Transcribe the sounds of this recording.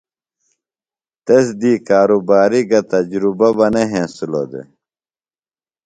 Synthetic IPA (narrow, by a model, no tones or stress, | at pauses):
t̪esd̪iːkaːɾubaːɾiɡɐt̪ɐd͡ʑɾubɐbɐneɦẽːsulo̰d̪ḛ